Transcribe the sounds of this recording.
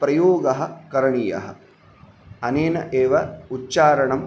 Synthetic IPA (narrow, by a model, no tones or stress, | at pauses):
pɾɐjoːɡɐɦɐ̆kɐɾɐɳiːjɐ̰ɦɐ̆ | ɐneːnɐ̰ʔeːʋɐutːt͡ʃaːɾɐɳɐm